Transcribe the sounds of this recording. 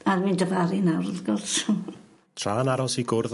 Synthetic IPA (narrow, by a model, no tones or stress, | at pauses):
armindəvaɾinawrðɡɔlsu | tʰr̥aːnaɾɔsiɡʊrð